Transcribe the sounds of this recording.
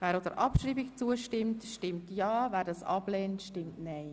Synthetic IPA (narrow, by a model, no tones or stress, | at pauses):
vɛːɾodəɾʔɑpʃɾiːbikt͡suəʃtɪmtʃtɪmtjɑːvɛːɾdɑːsɑ̰blɛːntʃtɪmtnɛɪ